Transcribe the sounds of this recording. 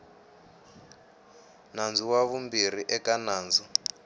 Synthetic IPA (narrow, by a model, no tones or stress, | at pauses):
nand͡zuwaβumbir̤iʔɛkanaːnd͡zu